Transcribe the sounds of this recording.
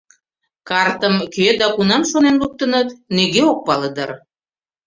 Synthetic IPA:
kɑrt̪əmkød̪ɑkunɑmʃonenluk̚t̪ənət̪neɣeok̚pɑləd̪ə̰r

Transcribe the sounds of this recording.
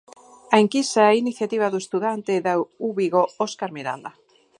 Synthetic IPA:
aiŋkisaɛiniθjat̪iβ̞aðoest̪uðant̪eðauβiɣooskaɾmiɾa̰ld̪a

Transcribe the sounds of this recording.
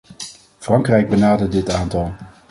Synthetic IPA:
vrɑŋkrɛjɡ̚bənaːdədɪtaːntɑlˠ

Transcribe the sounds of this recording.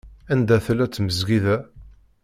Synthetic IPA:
ænd̪æθəlæt͡sːməzɡiðæ

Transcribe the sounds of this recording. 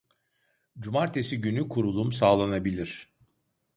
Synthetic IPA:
d͡ʒumaɾt̪ʰe̞siɟynykʰuɾulˠumsaːlˠanabilʲiɾ̥

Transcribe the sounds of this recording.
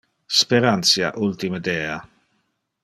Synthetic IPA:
speɾant̪sja̰ʔult̪iməd̪ɛːa

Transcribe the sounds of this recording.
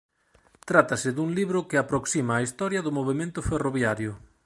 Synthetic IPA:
t̪ɾat̪ɐsɪðuŋliβɾʊkɪapɾoksimaːist̪ɔɾjɐðʊmoβemẽnt̪ʊferoβjaɾjʊ

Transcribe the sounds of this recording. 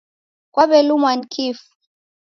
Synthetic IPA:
kwaβɛlumwankʰifu̥

